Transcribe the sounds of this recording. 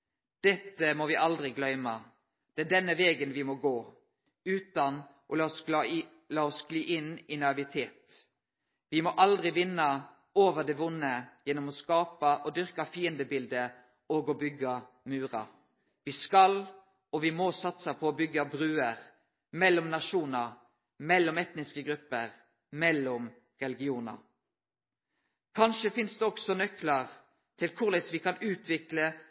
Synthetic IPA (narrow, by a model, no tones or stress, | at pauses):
d̪̥ɛt̪ːəmɔʋɪʔɑld̪ʁɪɡlœʏmɑ | d̪̥ɛæɖɛnːəʋeːɡənʋɪmɔɡoː | ʉːt̪ɑn | ʔɔɑs | lɑːɔsɡliːʔɪnːɪnɑɪʋɪt̪ʰeːt̪ | ʋɪmɔʔɑld̪ʁɪʋɪnːɑ | oːʋəʁd̪ɛʋʊnːəjɛnːɔmɔskɑːpɑʔɔd̪ʏʁkɑfiːənd̪əbɪld̪ə | ɔɡɔbʏɡːɑ | mʉːʁɑ̰ | ʋɪːskɑl | ɔʋɪmɔsɑt̪səpʰɔːbʏɡːɑbʁʉːəʁ | mɛlːɔmnɑʂuːnə | mɛlːɔmɛt̪nɪskəɡɾʉpːəʁ | mɛlːɔm | ʁɛlɪɡɪuːnɑ̰ | kʰɑnʃəfɪnsd̪ɛɔksɔnœkləʁ | t̪ʰɪlkʰʊʁlɛsʋɪkɑnʉːt̪ʰʋɪklə